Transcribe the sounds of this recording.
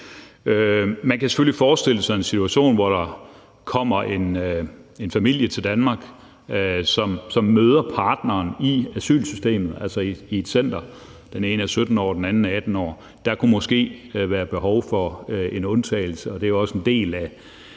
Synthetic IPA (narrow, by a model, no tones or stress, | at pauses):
ømænkæse̥følifɒːsd̥e̝l̰sɒ̽me̝nsit͡sʰuæɕo̝̰ːnʋɒɾ̥ɑ̈ | kʰɒ̽m̰ɐʔe̝n | e̝nfæmil̰jət͡sʰe̝ld̥ænmɑ̈ːɡ̥ | sɒ̽msɒ̽mːøːð̞ˠɐpʰɑ̈ːd̥nɐːniæsy̰ːlsysd̥e̝̰ːmð̞̩ˠælsɐiie̝d̥sen̰d̥ɐ | d̥ene̝ːnəæsød̥n̩ɒ̰ːd̥enænn̩æd̥n̩ɒ̰ː | d̥ɑ̈kʰumɒ̽sɡ̥e̝̰ːʋæːɐb̥e̝ɦɒʊfɒ̽e̝nɔ̽nt͡sʰɛ̰ːl̩səɒ̽d̥e̝æjɒ̽send̥e̝̰ːlæ